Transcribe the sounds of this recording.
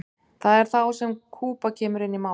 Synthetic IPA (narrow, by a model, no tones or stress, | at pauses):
θaðɛɾ̥θawsɛmkʰuːpacʰɛːmʏɾɪnːima